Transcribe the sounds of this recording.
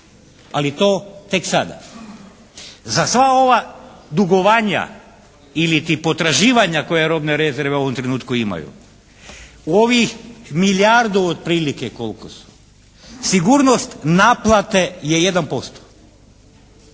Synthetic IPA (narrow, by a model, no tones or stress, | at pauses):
alit̪oːt̪e̞ksad̪a̰ | zasʋao̞ʋad̪uɡoʋaɲa̰ | ilit̪ipo̞t̪ɾaʒiːʋaɲako̞jeɾo̞bne̞ɾe̞zeɾʋeoʋomt̪ɾenuːt̪kuima̰jṵ | uoʋixmiljaɾd̪uod̪̚pɾiːlikekolkosu̥ | siɡuɾnost̪naplˠat̪e̞jeje̞d̪anpo̞st̪o̥